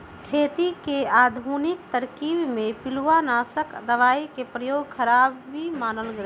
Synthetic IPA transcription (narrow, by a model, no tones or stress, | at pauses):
kʰeːt̪ikeaːd̪ʱuːnikt̪əɾkiːbmẽpɪluanaːsəkd̪əʋaːikepɾəjoːɡkʰəɾaːbimaːnəlɡɾ